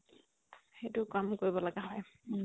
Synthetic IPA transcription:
xejtʊkamkoɹibɔlaɡaɦɔj

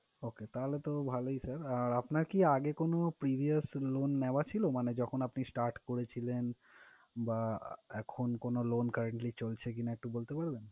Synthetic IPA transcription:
oket̪aɦolet̪obʱaloisaɾaɾapnaɾkiaɡekonopɾibʱiaslonːeoat͡ɕʰilomaned͡ʑɔkʰonapnisʈaɾʈkoɾet͡ɕʰilen | baɛkʰonkonolonkəɾeɳʈlit͡ɕolt͡ɕʰekinaɛk̚ʈubolt̪epaɾben

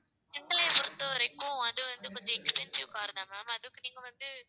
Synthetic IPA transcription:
ɪnʈɐlɐːpʊɾɯt̪ːɐɐɾɐɪkːʊ̃ɐðɯʋɐnd̪ɯkɔɲd͡ʒɔ̃ɛkspɛnsɪʋkaːɾɯðãːmaːmɐðɯkːɯniːŋɡɐʋɐnd̪ɯ

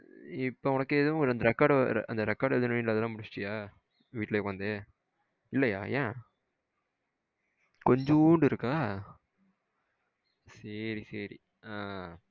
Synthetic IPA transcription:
ɪpːoːɔnɐkːɯeðɯ̃ɾɐnd̪ɐɾɛkːaːɖɾ̰ɐ̰nd̪ɐɾɛkːaːɾɽɛðɯnɐnɪnlɐðɐlãːmʊɽɪt͡ʃːt͡ʃːɪjaː | ʋiːʈlɐɛkːɐʋɐnd̪ɯ | ɪlːɐjaːjẽː | kɔɲd͡ʒõuɳɖɪɾɯkːaː | sɐɾisɐɾḭ | aː

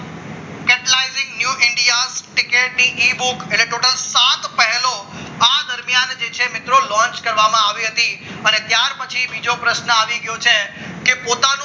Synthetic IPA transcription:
kɛʈəlaizɪ̃ŋɡnjuɪɳɖijasʈɪkeʈniʔibukeʈleʈoʈəlsat̪pəɦɛlo | ad̪əɾmjand͡ʒet͡ʃʰemɪt̪ɾolɔ̃nt͡ʃkəɾʋamãaʋiɦət̪iənet̪jaɾpət͡ʃʰibid͡ʒopɾəʃnəaʋiɡəjot͡ʃʰekepot̪an

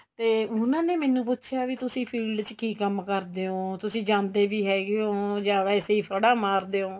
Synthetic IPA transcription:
t̪eːʊnãːneːmɛːnːũːp̬ʊtːʃʰjaːʋit̪ʊsĩːpʰiːɖt͡ʃkiːkəmkəɾd̪eːoːt̪ʊsĩːd͡ʒãːnd̪eːʋiːɦɛːɡeoːd͡ʒaːʋɛːseːiːpʰəɽaːmaːɾd̪eːoː

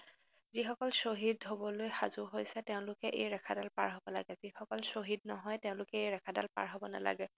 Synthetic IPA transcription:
zixɔkɔlsoɦidɦobɔlojxazʊɦojsɛtɛʊ̃lʊkɛʔejɹɛkʰadalpa̰ɹɦobɔla̰ɡɛzixɔkɔlsoɦid̚nɔɦɔjteʊ̃lʊkɛejɹɛkʰada̰lpa̰ɹɦobɔna̰la̰ɡɛ

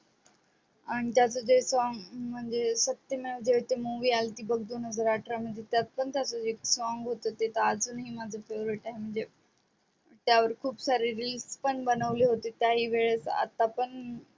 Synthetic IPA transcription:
aɽ̃it̪jat͡sod͡zesʋãŋɡm̤əɳd͡zesət̪jəmeʋəd͡zet̪emuʋiːalt̪iːbəɡ̚d̪onəzəɾaʈʰɾam̤əɳd̪ʱet̪jat̪̚pəɳt̪jat͡soeksʋaŋɡɦot̪ət̪et̪aːd͡zunɦiːmad͡zʱəpʰeʋɾiʈaɦem̤əɳd͡ze | t̪jaʋəɾkʰuːbsaɾiɾilspəɳbənəʋliɦot̪et̪jaɦiːʋeɭesa̰t̪apəɳ

